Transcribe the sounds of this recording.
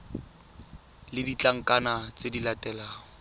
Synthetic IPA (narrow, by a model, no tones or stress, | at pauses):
lɪdit͡ɬʼaŋ̩kʼanat͡sʼedilatʼɛlaːŋɔ